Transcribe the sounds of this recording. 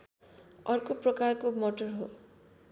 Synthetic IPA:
ʌrkoprʌkarkomoʈorɦo

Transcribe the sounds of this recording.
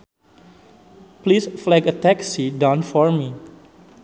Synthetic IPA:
plisflɛɡət̪ɛksidãnfɔɹmi

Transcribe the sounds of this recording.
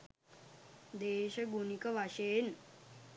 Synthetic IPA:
d̪eːʃɐɡunikəʋaʃeːn

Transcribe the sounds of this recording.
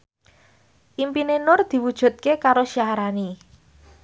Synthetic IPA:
ʔimpinenʊrd̪̥i̤wud̥ʒ̥ṳt̪̚kekaɾoʃiaɾani

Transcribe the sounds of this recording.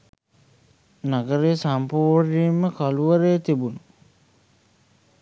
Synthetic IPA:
naɡəɾesampuːrniːmːəkaluʋəɾeːt̪ibunu

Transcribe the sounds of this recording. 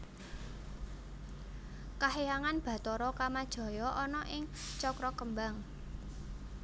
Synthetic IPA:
kaɦejaŋanb̥ä̤t̪ɔɾɔkamad̥ʒ̥ɔ̤jɔʔɔnɔʔɪŋt͡ʃɔkɾɔkəmbaŋ

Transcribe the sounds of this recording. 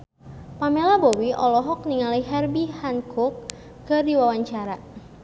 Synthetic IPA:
pamelabowiʔɔlɔɦɔk̚niŋaliɦɛrbihankʰʊk̚ː | ərdiwawaɲt͡ʃaɾa

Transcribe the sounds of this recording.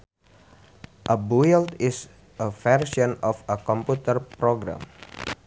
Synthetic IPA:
ʔəbuilt̪is | əvɛrsɔnɔfəkɔ̃mput̪ərpɾoɡɾã̰m

